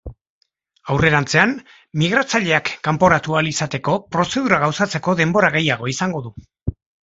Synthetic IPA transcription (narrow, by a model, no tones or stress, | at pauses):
awre̞ɾant͡se̞an | miɣ̞ɾat͡saʎe̞akːampo̞ɾat̪ualisat̪e̞ko̞pɾo̞se̞ð̞uɾaɣ̞awsat͡se̞ko̞ðe̞mbo̞ɾaɣ̞e̞jaɣ̞o̞isaŋɡo̞ðu